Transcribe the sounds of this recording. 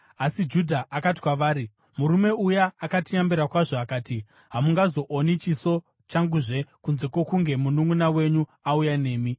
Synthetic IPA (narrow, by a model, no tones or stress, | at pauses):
asid͡ʒudʱaʔakati̥kwaʋaːɾi | muɾume̞ujaːkatijambiɾakwaʐo̞akaːti | ɦamuŋɡazo̞ʔonit͡ʃiso̞ | t͡ʃaŋɡuʐe̞kunze̞kwo̞kuŋɡe̞munuŋunawe̞ɲuaujane̞ːmi